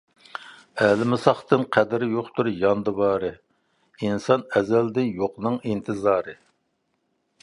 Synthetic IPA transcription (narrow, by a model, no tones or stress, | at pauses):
ɛlɪmɪsɑχt̪ɨnqʰɛd̪ɪɾɪjoχt̪uɾjɑnd̪ɨbɑːɾɨ | insɑnɛzɛld̪ɪjoqnɨŋint̪ʰɨzɑːɾɨ